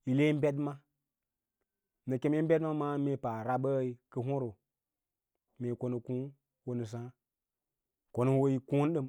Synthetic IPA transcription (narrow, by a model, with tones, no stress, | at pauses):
i˨le˦m˦be˦dma˦ | nə˨ke˦me˦m̩˦bʲe˦dma˦ma˦me˦pa˨ɾa˨ɓə˦˨i˨kə˨ɦo˦ɾo˨ | me˨ko˨no˨kũ˦ | wo˨nɨ˨s̬ã˦ | ko˨no˨˦wo˦i˦kũ˦n˦ɗɨ˦˨m